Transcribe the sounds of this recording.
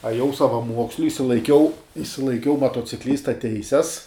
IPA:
ɐˈjɛʊ sɐʋɐˈmuɔksʲlʲʊ ɪʃʲsʲɪlˠɐɪˈkʲɛʊ ɪʃʲsʲɪlˠɐɪˈkʲɛʊ mɐtoːt͡sʲɪˈklʲiːstɐ ˈtʲɛɪsʲɛs

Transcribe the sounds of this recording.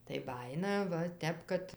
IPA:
tɐɪ ˈbɑːjɪnɐ ˈʋɐ ˈtʲɛp kɐt

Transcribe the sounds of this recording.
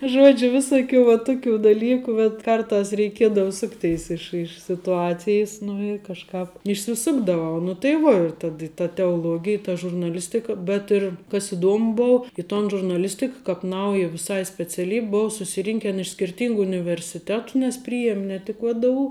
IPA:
ˈʒuɔd͡ʒʲʊ ˈʋʲɪsʊˌkʲuː ʋɐ ˈtʊˌkʲuː dɐˈlʲiːkuː bʲɛt ˈkɐrˌtɐs rʲɛɪˈkʲiɛdɐʋɐ ˈsʊkˌtʲɛɪs ˈɪʃ ɪʃ sʲɪtʊˈɑːt͡sʲɪjɪs nʊ ɪ kɐʃˈkɑːp ɪʃʲsʲɪˈsʊɡdɐʋɐʊ nʊ tɐɪ ˈʋuɔ ɪr ˈtɐt ɪ tɐ tʲɛoːˈlˠuɔɡʲɪj tɐ ʒʊrnɐˈlʲɪsʲtʲɪkɐ bʲɛt ɪr kɐs iːˈduɔmʊ ˈboːʊ ɪ toːn ʒʊrnɐˈlʲɪsʲtʲɪk kɐp ˈnɐʊjɛ ʋʲɪˈsɐɪ sʲpʲɛt͡sʲɛˈlʲiːpʲ ˈboːʊ sʊsʲɪˈrʲɪŋʲkʲɛn ɪʃ sʲkʲɪrʲˈtʲiːŋɡʊ ʊnʲɪʋʲɛrʲsʲɪˈtʲæːtʊ nʲɛs ˈpʲrʲiːjiɛmʲ nʲɛ ˈtʲɪk ʋdʊ

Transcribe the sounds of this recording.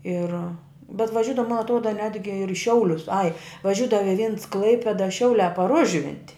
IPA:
ˈɪr bʲɛt ʋɐˈʒʲʊdɐʋɐ mɐn ɐtˈruɔdɐ ˈnʲæːdʲɡʲɪ ɪr ɪ ˈʃʲɛʊlʲʊs ɐɪ ʋɐˈʒʲuːdɐʋoː ɪ ʋʲɪns ˈklˠɐɪpʲeːdɐ ˈʃʲɛʊlʲæː pɐr ˈʊʒʲʋʲɪnʲtʲɪ

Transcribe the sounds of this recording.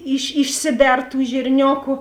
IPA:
ɪʃ ɪʃʲˈsʲɪˌbʲɛr tuː ʒʲɪrʲˈnʲoːkʊ

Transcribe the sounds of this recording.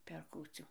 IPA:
pʲɛr ˈkuːt͡sʲuː

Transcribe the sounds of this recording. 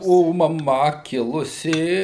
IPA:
oː mɐˈmɐ ˈkʲɪlˠʊsʲɪ

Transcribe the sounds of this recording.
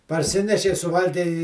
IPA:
pɐrʲˈsʲɪnʲɛʃʲɛɪ sʊˈʋɐlʲɡʲɛɪ ɪ

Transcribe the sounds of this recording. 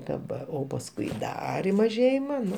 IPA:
dɐˈbɐr oː pɐsˈkʊɪ ˈdɐr ɪ mɐˈʒʲeːjɪmɐ ˈnʊ

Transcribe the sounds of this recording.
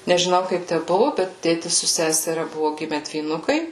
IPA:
nʲɛʒʲɪˈnɐʊ ˈkɐɪp ˈtʲæ ˈbʊʋʊ ˈbʲɛt ˈtʲeːtʲɪs sʊ ˈsʲæːsʲɛrʲɛ ˈbʊʋʊ ˈɡʲɪmʲɛ dʲʋʲiːˈnʊkɐɪ

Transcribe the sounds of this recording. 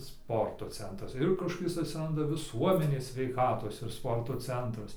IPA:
ˈspoːrtoː ˈt͡sʲɛntrɐs ɪr kɐʃkoːˈkʲɪs ɐtʲsʲɪˈrɐndɐ ʋʲɪˈsuɔmʲɛnʲeːs sʲʋʲɛɪˈkɑːtoːs ɪr ˈspoːrtoː ˈt͡sʲɛntrɐs

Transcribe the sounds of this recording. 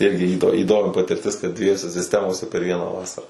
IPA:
ˈɪrʲɡʲɪ ˈiːdoː iːˈdoːmʲɪ pɐtʲɪrʲˈtʲɪs kɐt dʲʋʲiɛˈjoːsʲɛ sʲɪsʲˈtʲæːmoːsʲɛ pʲɛr ˈʋʲiɛnɑː ˈʋɑːsɐrɑː

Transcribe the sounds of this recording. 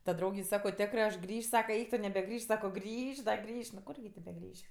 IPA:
tɐ ˈdrɐʊɡʲɛɪ ˈsɑːkoː ˈtʲæːkrɜ ɐʃ ˈɡrʲiːʃʲ ˈsɑːkɐ ˈɛɪk tʊ nʲɛbʲɛˈɡrʲiːʃʲ ˈsɑːkoː ˈɡrʲiːʃʲ dɐ ˈɡrʲiːʃʲ nʊ ˈkʊrʲɡʲɪ tʲeː bʲɛˈɡrʲiːʃʲ

